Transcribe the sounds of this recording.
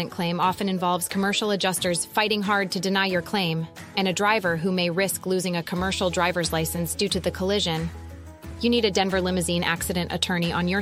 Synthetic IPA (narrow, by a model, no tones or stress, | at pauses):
ɨ̃nkʰl̥ẽɪ̃mɑfɨ̃nɨ̃ɱvɑlˠvz̥kʰəmɜ˞ʃl̩ˠəd͡ʒʌstə˞z̥faɪɾɪ̃ŋɦɑɹd̚tʰɨdɨnaɪjə˞kʰl̥ẽɪ̃m | ɨ̃ñɨdɹaɪvə˞ɦumeɪɹɪsklʉzɪ̃ŋɨkʰəmɜ˞ʃl̩ˠdɹaɪvə˞zlaɪsɨ̃nsd̥ʉɾɨðɨkʰəlɪʒɨ̃n | jɨniɾɨdɛ̃ɱvə˞lɪ̃mɨzĩnʔæ̰ksɨɾɨ̃nʔɨ̰tʰɜ̃˞ñiʔə̃njə˞